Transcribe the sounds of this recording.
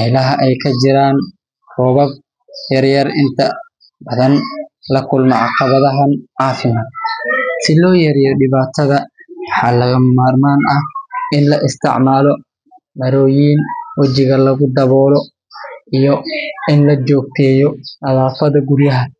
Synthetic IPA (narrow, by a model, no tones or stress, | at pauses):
ɛjlɐɦɐʔɛjkʰɐt͡ʃɪɾaːn | rɔːβɐb̚ | jɐrjɐrɪnt̪ʰɐ | bɐðɐnlɐkʰʊlmɐʕɑqɑβɐðɐɦɐnʕɑːfɪmad̪̚sɪlɔːjɐɾijɔɖɪβaːt̪ʰɐðɐwɑħɑːlɐɣɐmaːrmaːnɐhɪnlɐʔɪst̪ʰɪ̰ʕmaːlɔ | mɐɾɔːjiːnwɑt͡ʃɪɣɐlɐɣʊd̪ɐβɔːlɔ | ʔijɔɪnlɐt͡ʃɔːɡ̚t̪ʰɛːjɔʔɐðaːfɐðɐɡuɾjɐɦɐ